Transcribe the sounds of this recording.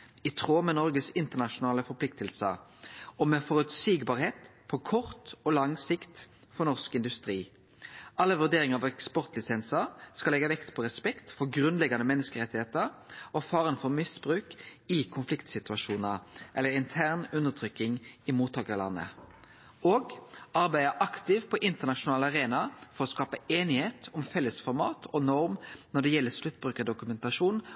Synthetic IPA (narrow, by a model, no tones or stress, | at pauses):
ɪt̪ʰʁoːmɛnɔʁɡəsɪnt̪əʁnɑʃʊnɑːləfɔɾpʰlɪk̚t̪əlsəɔmɛfɔɾʉt̪siːɡbɑːʁheːt̪pʰɔkʰɔʁt̪ɔlɑŋsɪkt̪ | fɔʁnɔʁskɪnd̪ʉst̪ɾiː | ʔɑlːəʋʉʁd̪eːʁɪŋəɾɑʋɛkspɔʁt̪lɪsɛnsəʁskɑlɛɡɑʋɛkt̪pʰɔʁɛspɛkt̪fɔɾɡʁʉnlɛɡɑnəmɛnːəskəʁɛt̪ːɪheːt̪əɾɔfɑːʁənfɔɾmɪsbɾʉːkɪkʰʊnflɪkt̪sɪt̪ʉɑʂuːnəʁʔɛlːəɾɪnt̪ʰæʁnʉnəʁt̪ʰɾʏkːɪŋɪmuːt̪ʰːɑːkəʁlɑ̰nːə̰ | oːɡʔɑɾbæɪəʔɑkt̪ɪʋpʰɔʔɪnt̪əʁnɑʃʊnɑːləɑʁeːnɑfɔʁɔskɑːpəeːnɪheːt̪ɔmfɛlːəsfɔɾmɑ̰ːt̪ʰɔnɔɾmnɔɖ̪ɛjɛlːəslʉt̪̚ːbʁʉːkəəd̪ʊkʉmɛnt̪ɑʂuːn